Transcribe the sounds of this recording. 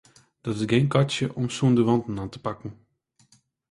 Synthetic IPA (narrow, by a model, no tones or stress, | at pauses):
d̥ɔtɪsɡenkɑtjəʔɔmsuəndəʋɑntn̩aːntə̥pɑkən̩